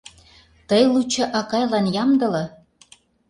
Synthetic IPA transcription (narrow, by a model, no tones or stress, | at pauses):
t̪əjlut͡ɕɤ̆ʔɑkɑjlɑnjɑmd̪ɤ̆lɤ̆